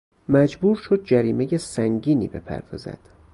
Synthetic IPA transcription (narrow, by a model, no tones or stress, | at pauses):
mæd͡ʒbuːɾʃod̪̚d͡ʒæɾiːmejesæŋɟiːnḭːbe̞̰pʰæ̰ɾd̪ɒzæ̰d̪̥